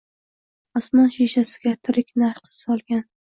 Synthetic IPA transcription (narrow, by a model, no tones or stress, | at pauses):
ɒsmɒnʃiʃasɪ̥ɡʲat̪ʰɪɾɪkʲnaɾqsɪ̥sɒlˠɡʲan